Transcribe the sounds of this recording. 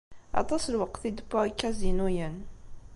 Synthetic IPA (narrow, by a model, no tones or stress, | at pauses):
ɑ̰t̪ˤɑslwəqθid̪pːokːæzinujən